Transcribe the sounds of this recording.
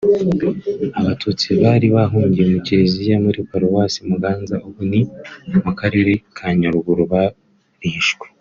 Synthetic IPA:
aβatʰuːt͡siβaːɾiβaɦuːɲɟijemucezijamuɾikaɾowasimuɡaːnzaʔuβunimukaɾeɾekʰaɲaɾuɡuɾuβa | ɾiʃɡwe̥

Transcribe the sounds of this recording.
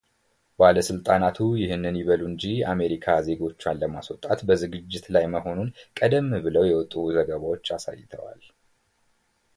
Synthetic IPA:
baləsɨlt̪ʼanat̪ʰujɪhɨnːɨnjɪβəluɨɲd͡ʒia̰me̞ɾikʰaze̞ɡo̞t͡ʃːwanləmaswɔt̪ʼat̪bəzɨɡɨd͡ʒːɪt̪lajməho̞nunkʼəd̪əmːbɨləwjɛwɔt̪ʼuzəɡəβawot͡ʃːasa̰jːɪt̪ʰə̰wa̰l

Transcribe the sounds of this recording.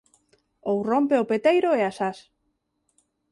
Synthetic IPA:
owrompeopet̪ejɾoeasas

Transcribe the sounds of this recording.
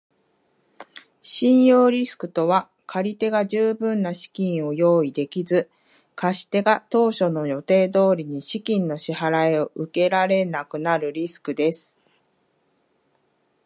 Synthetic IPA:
ɕĩɰ̃jo̞ːɾʲisɨ̥kɯ̟̥t̪o̞βa | kʰaɾʲit̪e̞ɡaʑɨːbɯ̟̃nːaɕi̥kʲĩɰ̃o̞jo̞ːid̪e̞kʲizɨ | kaɕi̥t̪e̞ɡat̪o̞ːɕo̞no̞jo̞t̪e̞ːd̪o̞ːɾʲiɲ̟iɕikʲĩnːo̞ɕihaɾaeo̞ʔɯ̟ke̞ɾaɾe̞nakɯ̟naɾɯ̟ɾʲisɨ̥kɯ̟d̪e̞sɨ̥

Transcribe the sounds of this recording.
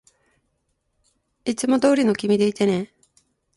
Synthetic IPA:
it͡sɨmo̞d̪o̞ːɾʲino̞kʲimʲid̪e̞it̪e̞nẽ̞

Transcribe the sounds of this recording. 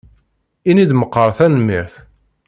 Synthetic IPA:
inid̪məqːəɾˤθænəmːiɾθ

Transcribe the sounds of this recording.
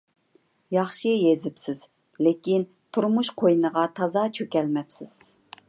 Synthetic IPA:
jɑχʃiɛjezɪpsɪz̥ | lɪkʲin | t̪ʰuɾmuʃqʰojnəʁɑt̪ʰɑzɑt͡ʃʰøkʲɛlmɛpsɪz̥

